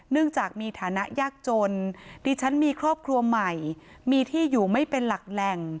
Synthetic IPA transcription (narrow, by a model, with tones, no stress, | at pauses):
nɯ˥˩əŋt͡ɕaː˨˩k̚miː˧t̪ʰaː˩˦na˦˥ʔjaː˥˩k̚t͡ɕo˧ndiː˧t͡ɕʰa˦˥nmiː˧kʰɾɔː˥˩p̚kʰɾu˧ɐma˨˩j | miː˧t̪ʰiː˥˩juː˨˩ma˥˩jpe˧nla˨˩k̚lɛ˨˩ŋ